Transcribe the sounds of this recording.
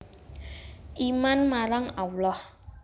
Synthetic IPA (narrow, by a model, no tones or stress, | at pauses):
imanmaɾaŋawlɔh